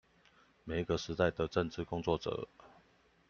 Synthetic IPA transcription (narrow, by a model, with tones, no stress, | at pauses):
me˨˩ɪ˧ɡə˨ʂɻ̩˧˥t̪a˥˨ɪd̪ə˩ʈ͡ʂə˥˨nʈ͡ʂɻ̩˥˨kʊ˥ŋt͡swɔ˥˨ʈ͡ʂə̰˨˩˦